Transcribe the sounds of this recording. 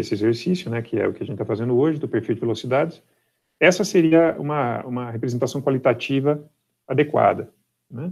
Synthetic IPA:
esɪezeɾsisjʊnɛkʰɪɛ̰ʊkɪɐʒẽt̪t͡ʃɪt̪afazẽnd̪ʊoʒɪd̪ʊpeɾfiwd͡ʒɪvelosid̪ad͡ʒɪs | ɛsɐseɾiɐũmɐũmɐɦepɾezẽnt̪asɐ̃w̃kwalit̪at͡ʃivɐ | ad̪ekwa̰d̪ɐ | nɛ

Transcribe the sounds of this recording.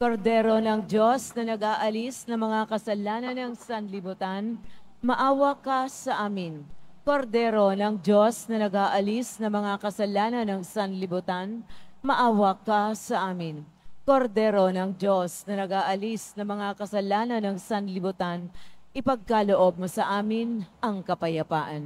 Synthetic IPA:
koɾd̪ɛɾo̞nɐŋd͡ʒosnɐnɐɡaːʔɐlisnɐmɐŋakɐsɐlaːnɐnɐŋsɐnlɪbʊt̪anmɐʔaːwɐkːɐsɐʔaːmɪnko̞ɾd̪ɛːɾo̞nɐŋd͡ʒosnɐnɐɡaːʔɐlisnɐmɐŋakɐsɐlaːnɐnɐŋsɐnlɪbʊt̪anmɐʔaːwɐkːɐsɐʔaːmɪn | ko̞ɾd̪ɛɾo̞nɐŋd͡ʒo̞snɐnɐɡaːʔɐlisnɐmɐŋakɐsɐlaːnɐnɐŋsɐnlɪbʊt̪anʔɪpɐɡ̚kalo̞ʔo̞b̚mosɐʔaːmɪnʔɐŋkɐpɐjɐpaːʔɐn

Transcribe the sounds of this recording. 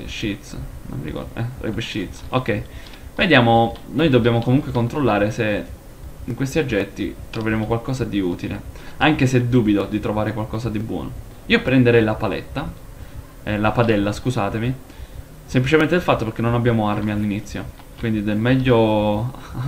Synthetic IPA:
ʃit̪sno̰mḭikɔ̰d̪ɛ̰rɛ̰beʃit̪sokːɛj | ved̪jaːmonojd̪obːjaːmokomuŋkwekont̪ɾolːaːɾese | iŋkwest̪iod͡ʒːɛt̪ːḭt̪ɾoveɾeːmokwalkɔːzad̪iuːt̪ilḛaŋk̟eseɛd̪ːuːbid̪od̪it̪ɾovaːɾekwalkɔːszad̪ibwɔ̰ːno | iːopɾend̪eɾɛjlapalɛ̰t̪ːa | ɛlapad̪ɛlːaskuzaːt̪evi | semplit͡ʃemẽnt̪ed̪elfat̪ːopeɾk̟enːonabːjaːmoarmialːinit̪sːjo̰ | kwind̪id̪elmɛʎːo

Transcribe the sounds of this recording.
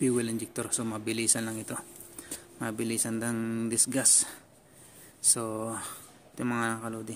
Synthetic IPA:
piwilɛnd͡ʒik̚t̪ɔrsomabilisanlaŋit̪u | mabilisandaŋd̪isɡas | so | t̪imaŋanakalud̪i

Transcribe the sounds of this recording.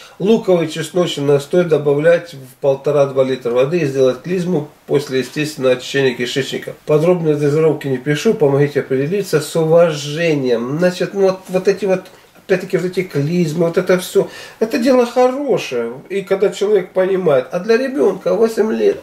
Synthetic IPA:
lˠukəvɨjt͡ɕɪsnot͡ɕɪnɐst̪o̞jɪt̪̚d̪ɐbɐvlʲætʲvpəlˠt̪ɐɾad̪valʲit̪ɾəvɐd̪ɨzʲdʲe̞lˠət̚ʲklʲizmʊposʲlʲɪjɪsʲtʲest̪vʲɪnəʋɐt͡ɕɪ̥ɕːenʲɪjəkʲɪʂɛt͡ɕnʲɪ̰kəpɐd̪ɾo̞bnəjəd̪əzɐɾowkʲɪnʲɪpʲɪʂupəmɐɣʲitʲɪɐpɾʲɪdʲɪlʲit̪səsʊvɐʐɛnʲɪjəmznat͡ɕɪt̪nuvot̪vot̪ɛtʲɪvo̞t̪ | ɐpʲæt̪̚ʲt̪ːəkʲɪvot̪ɛtʲɪklʲizmɨvot̪ɛt̪əfsʲoɛt̪ədʲe̞lˠəxɐro̞ʂɨjəikɐɡd̪at͡ɕɪlˠɐvʲek̚pənʲɪmajɪt̪ɐd̪lʲɐɾʲɪbʲo̞nkəvosʲɪmʲlʲet̪

